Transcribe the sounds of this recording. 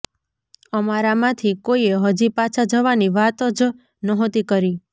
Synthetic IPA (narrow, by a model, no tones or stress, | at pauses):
əmaɾamãt̪ʰikoieɦəd͡ʒipat͡ʃʰad͡ʒəʋaniʋat̪ɔd͡ʒ | nɔɦõt̪ikəɾi